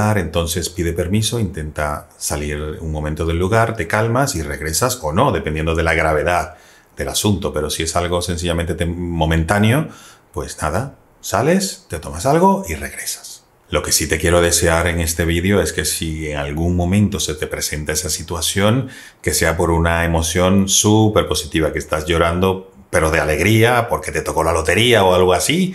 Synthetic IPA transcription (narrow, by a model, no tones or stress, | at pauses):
aɾe̞nt̪o̞nse̞spiðe̞pe̞ɾmiso̞int̪e̞nt̪asaliɾṵŋmomẽnt̪o̞ð̞e̞lːuɣaɾt̪e̞kalmasire̞ɣɾe̞saso̞no̞ðe̞pe̞ne̞nd̪oðe̞laɣ̞ɾaβ̞e̞ðað | d̪e̞la̰sunt̪o̞pe̞ɾo̞sie̞salɣo̞se̞nθ̬iʝʎamẽnt̪et̪emo̞mẽnt̪anjo̞pwe̞snaða | sale̞st̪et̪o̞masalɣo̞ire̞ɣɾe̞sḁs | lo̞ke̞sit̪e̞kje̞ɾo̞ð̞e̞se̞aɾe̞ŋe̞st̪e̞β̞iðeo̞e̞ske̞sieŋalɣuŋmõ̞mẽnt̪o̞se̞t̪e̞pɾe̞se̞nt̪ae̞sasit̪wasjo̞ŋ | ke̞se̞apo̞ɾunae̞mo̞sjo̞nsupe̞ɾpo̞sit̪iβ̞akest̪azʝo̞ɾand̪o̞ | pe̞ɾo̞ðe̞ale̞ɣɾiapo̞ɾke̞t̪e̞t̪oko̞lalo̞t̪e̞ɾiaoalɣoasi